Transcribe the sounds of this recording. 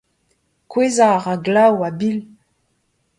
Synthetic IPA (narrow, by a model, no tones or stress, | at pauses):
kwezaʁaɡlawabil